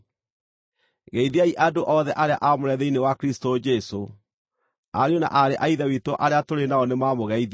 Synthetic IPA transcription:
ɣeiðiaiʔadoʔɔðɛʔaɾea̰ʔamoɾɛðeinewakɾistod͡ʒɛso | aɾeona̰ʔaɾeʔaiðɛwitɔʔaɾeatoɾenaɔnemamoɣɛið

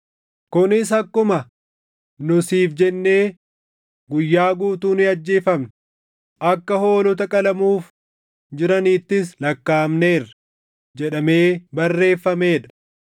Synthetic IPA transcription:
kʊnɪshɐkːʊmɐ | nʊsiːfd͡ʒɛnːe̞ː | ɡʊjːaːɡuːt̪uːnɪɐd͡ʒːe̞ːfɐmn | ʔɐkːɐho̞ːlɔt̪̬ɐkʼɐlɐmuːf | d͡ʒɪɾɐniːt̪ːɪslɐkːaːmneːrɐ | d͡ʒɛᶑɐme̞ːbɐrːe̞ːfːɐme̞ːᶑɐ̥

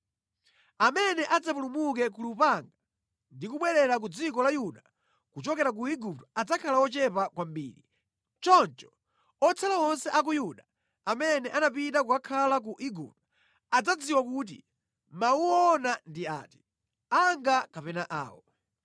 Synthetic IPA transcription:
amɛnɛʔad͡zapulumuk̬ɛk̬ulupaŋɡa | ndikuɓwɛɾɛɾak̬ud͡zikɔlajuɗa | kut͡ʃɔkɛɾak̬uiɡup̚tɔad͡zakʰalawɔt͡ʃɛpakwambḭːɾi | t͡ʃɔnt͡ʃɔ̥ | ɔt͡sʰalawɔnsɛʔak̬ujuɗa | amɛnɛʔanapitakukakʰalak̬uʔiɡup̚tɔ̥ | ad͡zad͡ziwakuːt̬ḭ | mauɔnandia̰ːti̥ | aŋɡakapɛnaʔa̰ːwɔ

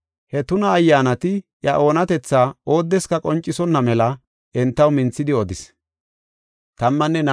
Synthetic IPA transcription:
hɛt̪ʊnɐːjːaːnɐt̪ɪʔjɐʔo̞ːnɐt̪ɛt͡sːaːo̞ːd̪ːɛskɐkʼɔnt͡ʃʼːɪsɔnːɐmɛlɐ | ʔɛnt̪ːɐwmɪnt͡sːɪd̪ɪɔd̪ɪs | t̪ɐmːɐnːɛn

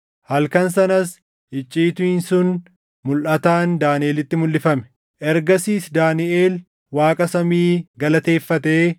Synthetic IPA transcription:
hɐlkɐns̬ɐnɐs | ʔɪt͡ʃʼːiːt̪ʊɪnsʊn | mʊlʔɐt̪aːnd̪aːnɪʔeːlɪt̪ːɪmʊlːɪfɐmɛ̥ | ʔɛɾɡɐsiːsd̪aːnɪʔe̞ːl | waːkʼɐsɐmiːɡɐlɐt̪e̞ːfːɐt̪eː

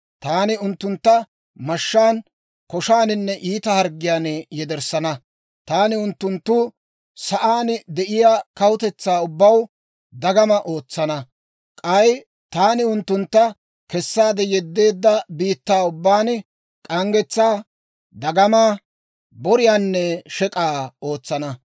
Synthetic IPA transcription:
t̪aːnɪʊnt̪ːʊnt̪ːɐ | mɐʃːaːn | kɔʃaːnɪnːɛʔiːt̪ɐhɐɾɡɪjaːnjɛd̪ɛɾsɐnɐ | t̪aːnɪʊnt̪ːʊnt̪ːʊ | sɐʔaːnd̪ɛʔɪjaːkɐwʊt̪ɛt͡sːaːʊbːɐw | d̪ɐɡɐmɐʔo̞ːt͡sːɐnɐ | kʼɐj | t̪aːnɪʊnt̪ːʊnt̪ːɐ | kɛsːaːd̪ɛjɛd̪ːe̞ːd̪ːɐbiːt̪ːaːʊbːaːn | kʼɐŋɡɛt͡sːaː | d̪ɐɡɐmaː | bɔɾɪjaːnːɛʃɛkʼaːo̞ːt͡sːɐnɐ

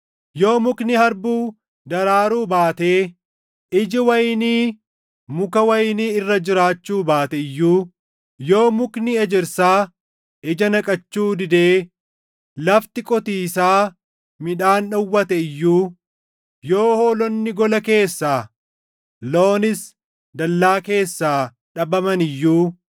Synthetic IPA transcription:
jo̞ːmʊknɪhɐɾbuː | d̪ɐɾaːɾuːbaːt̪eː | ɪd͡ʒɪwɐjniː | mʊkɐwɐjniːɪrːɐd͡ʒɪɾaːt͡ʃːuːbaːt̪ɛɪjːuː | jo̞ːmʊknɪɛd͡ʒɪɾsaː | ʔɪd͡ʒɐnɐkʼɐt͡ʃːuːd̪ɪd̪e̞ː | lɐft̪ɪkʼɔt̪iːsaː | mɪᶑaːnᶑɐwːɐt̪ɛɪjːuː | jo̞ːhoːlɔnːɪɡɔlɐke̞ːsːaː | lo̞ːnɪs | d̪ɐlːaːke̞ːsːaː | ᶑɐbɐmɐnɪjːuː

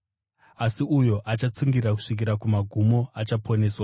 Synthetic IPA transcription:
asiujo̞ʔat͡ʃat͡suŋɡiraku̥ʂik̬iɾakumaɡʱumo̞at͡ʃapʰo̞ne̞ːswa

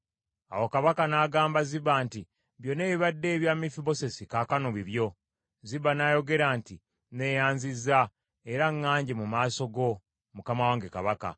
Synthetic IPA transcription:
a̰wo̞kaβakanaɡaːmbaziβaːnti | βjo̞ne̞ːβiβadːe̞ːβjaːmifibo̞se̞sikaːkanoβiβjo̞ | ziβanaːjo̞ɡe̞ɾanti | ne̞ːjaːɲzizːa | eɾaŋːaːɲɟemumaːso̞ɡo̞ | mukamawaːŋɡe̞kaβaka̰

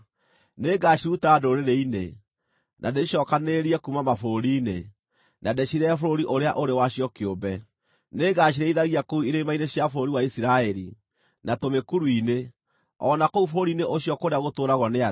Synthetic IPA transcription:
neɡaɕiɾutaːdoɾeɾeine | nʔadeʃɔːkaneɾiɛkumamafoɾoɾiːne | nadeɕiɾɛfoɾoɾiʔoɾeaʔoɾewaɕiɔkeombɛ | neːɡaɕ̬iɾɛiðaɣiakouiɾemainesjafoɾoɾiwaisiɾaɛɾi | natomekuɾuine | ɔnakoufoɾoɾiːneʔoɕjɔkoɾeaɣotoːɾaɣɔnea

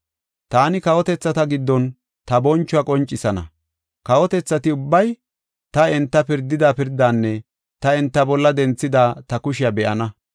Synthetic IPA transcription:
t̪aːnɪkɐwɔt̪ɛt͡sːɐt̪ɐɡɪd̪ːɔn | t̪ɐbɔnt͡ʃːʊɐkʼɔnt͡ʃʼːɪsɐnɐ̰ | kɐwɔt̪ɛt͡sːɐt̪ɪʊbːɐj | t̪ɐɛnt̪ːɐpɪɾd̪ːɪd̪aːpɪɾd̪ːaːnːɛ | t̪ɐɛnt̪ːɐbɔlːɐd̪ɛnt͡sːɪd̪aːt̪ɐkʊʃɪjɐbɛʔɐnɐ

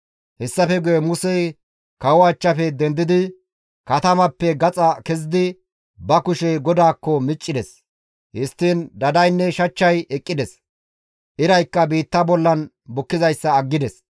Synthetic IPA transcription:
hɛsːɐfɛɡʊjɛmʊsɛj | kɐwʊɐt͡ʃːɐfɛd̪ɛnd̪ɪd̪ɪ | kɐt̪ɐmɐpːɛɡɐt͡sʼɐkɛzɪd̪ɪ | bɐkʊʃɛjɡɔd̪aːkːɔmɪt͡ʃʼːɪd̪ɛs | hɪst̪ːɪnd̪ɐd̪ɐjnːɛʃɐt͡ʃːɐjɛkʼːɪd̪ɛs | ʔɪɾɐjkːɐbiːt̪ːɐbɔlːɐn | bʊkːɪzɐjsːɐːɡːɪd̪ɛs

